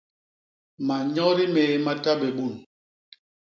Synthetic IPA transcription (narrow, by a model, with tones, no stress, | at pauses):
ma˨ɲɔ˦ɾi˦meː˨˦ma˦ta˦bɛ˨ɓu˦˨n